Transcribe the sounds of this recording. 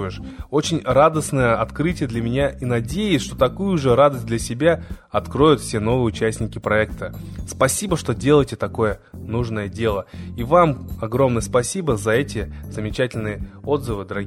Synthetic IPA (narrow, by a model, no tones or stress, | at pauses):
jɪʂo̞t͡ɕɪnʲrad̪əsnəjəɐt̪kɾɨtʲɪjəd̪lʲɐmʲɪnʲaʔinɐdʲejɪsʲʂt̪o̞t̪ɐkujʊʐɨrad̪əsʲt̚ʲd̪lʲɐsʲɪbʲaɐt̪kɾo̞jʊt̪fsʲe̞no̞vɨjəʊt͡ɕæsʲnʲɪkʲɪpɾɐɛkt̪əspɐsʲibəʂt̪o̞dʲe̞lˠəjtʲɪt̪ɐko̞jənuʐnəjədʲe̞lˠəivamɐɡɾo̞mnəjəspɐsʲibəzɐɛtʲɪzəmʲɪt͡ɕætʲɪlʲnɨjəo̞d̪zɨvɨd̪əɾɐɡʲ